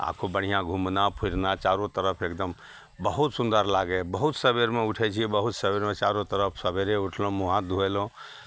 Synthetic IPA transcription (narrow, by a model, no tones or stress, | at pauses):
a̰kʰobəɽ̤ijãɡʱumnapʰuɾnat͡ʃaɾõt̪əɾəpʰekd̪əm | bəɦut̪sund̪əɾlaɡebəɦut̪səbeɾmeuʈʰɛt͡ʃʰiɛbəɦut̪səbeɾmet͡ʃaɾõt̪əɾəpʰsəbeɾeuʈʰlõmuɦãd̪ʱuɛlõ